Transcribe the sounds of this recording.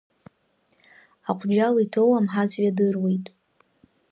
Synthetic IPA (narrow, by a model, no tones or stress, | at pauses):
aqʷʰʼd͡ʒalitʰowamħazʷʼɥadɨrwejtʼ